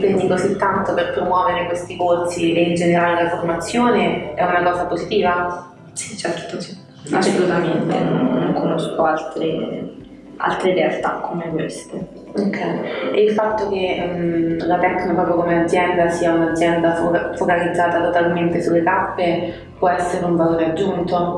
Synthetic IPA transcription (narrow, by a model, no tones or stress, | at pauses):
kwind̪ikozit̪ːant̪operpɾomwɔːveɾekwest̪ikorsiʔeind͡ʒeneɾaːlelaformat̪sːjoːneɛunakɔːzapozit̪iːva | si̥t͡ʃɛɾt̪osi̥ | a̰sːolut̪ament̪ḛnooŋkʰonoskoalt̪ɾe | a̰lt̪ɾed̪ɛalt̪a̰kʰːomekwest̪e | okʰːɛjeilfat̪ːoke | lat̪ɛkːniopɾɔːpɾjokomead̪zːjɛnd̪asiːaunad̪zːjɛnd̪afokalid̪zːaːt̪at̪ot̪alment̪esulːet̪apːe | pwɔɛsːeɾeuɱvaloːɾead͡ʒːunt̪o